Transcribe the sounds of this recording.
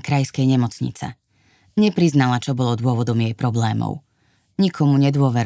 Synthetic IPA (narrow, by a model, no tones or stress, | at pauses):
kɾajskɛjɲɛmɔt͡sɲḭt͡sɛ̰ | ɲɛpɾiznalat͡ʃɔbɔlɔd̪ʊɔʋɔd̪ɔmjɛjpɾɔblɛːmɔ̰ʊ | ɲikʰɔmuɲɛd̪ʊɔʋɛɾ